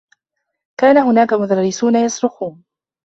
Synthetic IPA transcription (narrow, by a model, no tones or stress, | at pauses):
kaːnahʊnaːkamʊd̪ɑɾːɪsuːnajɑsˤɾʊxuːn